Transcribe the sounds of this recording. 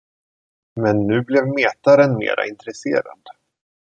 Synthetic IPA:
mɛnːʉ̟ːblɛvmeːt̪aɾənmḛːɾa̰ɪnt̪ɾɛsḛːɾa̰d̪

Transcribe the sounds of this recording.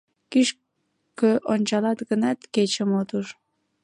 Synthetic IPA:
kiʃ | køʔonʲt͡ɕɑlɑt̪ɣənɑt̪ket͡ɕəmot̪uʒ

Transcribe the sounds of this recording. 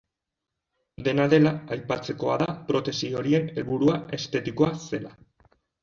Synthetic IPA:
d̪e̞naðe̞laajpat͡se̞ko̞a̰ðapɾo̞t̪e̞sio̞ɾie̞ne̞lβuɾuae̞st̪e̞t̪iko̞ase̞la

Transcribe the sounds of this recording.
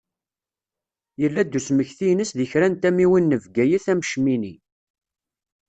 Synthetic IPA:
jəlːæd̪ːusməçθijnəsðəçɾænt̪æmiwinːəvɡæjəθæmʃmini

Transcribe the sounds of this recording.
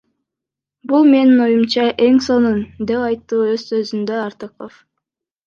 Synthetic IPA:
bulˠme̞nino̞jumt͡ʃɑʔe̞ŋso̞nund̪e̞pɑjt̪ːuːøzsø̞zynd̪øɑɾt̪ɯqof

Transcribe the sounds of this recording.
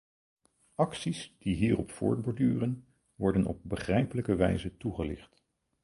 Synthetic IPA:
ɑksisd̥iɦiːrɔpfʊ̰ːɹd̚bɔɹdyːrən | ʋɔɹdənʔɔ̰b̚bəχrɛjpələkəʋɛ̰jzətuχəlɪ̰χt

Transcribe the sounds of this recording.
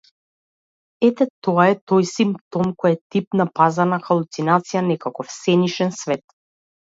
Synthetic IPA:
ɛt̪ɛt̪ɔaɛt̪ɔjsimpt̪ɔmkɔjat̪ip̚napazanaxalˠut̪sinat̪sijanɛkakɔfsɛniʃɛnsvɛt̪

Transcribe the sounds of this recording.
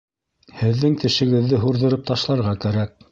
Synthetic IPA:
hɘ̆ðːɘŋt̪ɘ̆ʃɘ̆ɡɘ̆ðːɘɦuɾðɤ̆ɾɤp̚t̪ɑʃlˠɑɾʁɑkæɾæk̚

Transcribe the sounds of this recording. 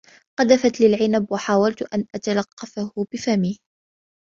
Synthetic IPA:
qɑd̪afat̪lɪlʕɪnabwaħaːwalt̪ʔanʔat̪alɑqːɑfahʊbɪfamiːh

